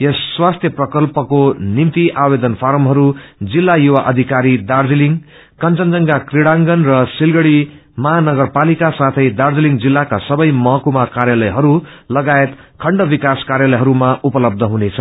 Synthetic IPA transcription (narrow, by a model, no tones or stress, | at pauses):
esːwast̪ʰjʌprʌkʌlpʌkonimt̪iʔabed̪ʌnpʰaɾʌmɦʌɾud͡zilːajuwaʔʌd̪ʱikaɾid̪ard͡ziliŋ | kʌnt͡sʌnd͡zʌŋɡakriɽaŋɡʌnrʌsilɡʌɽi | mʌɦanʌɡʌrpalikasat̪ʰʌjd̪ard͡ziliŋd͡zilːakasʌbʌjmʌɦʌkumakarjalʌjɦʌɾulʌɡaet̪ | kʰʌɳɖʌbikaskarjalʌjɦʌɾumaʔupʌlʌb̚d̪ʱʌɦunet͡sʰʌ